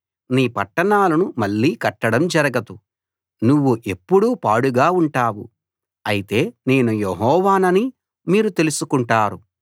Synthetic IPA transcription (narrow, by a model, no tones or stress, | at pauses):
niːpɐʈːɐɳaːlɐnumɐɭːiːkɐʈːɐɽɐmd͡ʒɐɾɐɡɐd̪u | nuʋːuʔe̞pːuɽupaːɽuɡaːuɳʈaːwṵ | ɐjit̪e̞ːne̞ːnujeɦɔːʋaːnɐni | miːɾut̪e̞lusukuɳʈaːɾu